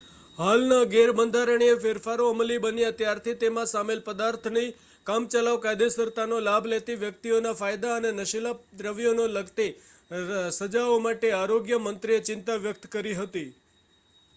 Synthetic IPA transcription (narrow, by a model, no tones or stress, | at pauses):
ɦalnaɡeɾbənd̪ʱaɾəɳ̃iefeɾfaɾoəməlibənjãt̪jaɾt̪ʰit̪emãsamelpəd̪aɾt̪ʰni | kamt͡ʃəlaʋkajd̪esəɾt̪anolabʱlet̪iʋjək̚t̪ionafajd̪aənenəʃilapd̪ɾəʋijonoləɡt̪e | səd͡ʒaomaʈeaɾoɡjəmənt̪ɾiet͡ʃɪnt̪aʋjək̚t̪kəɾiɦət̪i